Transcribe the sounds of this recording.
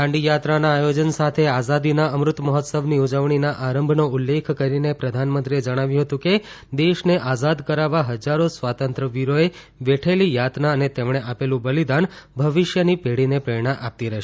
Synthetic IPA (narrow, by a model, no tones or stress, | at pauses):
kʰãɳɖijat̪ɾanaːjod͡ʒənsat̪ʰeazad̪inaəmɾʊt̪məɦɔt̪səbniud͡ʒəʋɳinaʔaɾəmbʱnoʊlːekʰkəɾinepɾəd̪ʱanmənt̪ɾied͡ʒəɽ̃aʋjũɦət̪ũke | d̪eʃneʔazad̪kəɾaʋaɦəd͡ʒaɾosʋat̪ənt̪ɾəʋiɾoe | ʋeʈʰelijat̪naənet̪emɽ̃eʔapelũbəlid̪anbʱəʋiʃjənipeɽinepɾəɾɳaʔap̚t̪iɾəɦʃ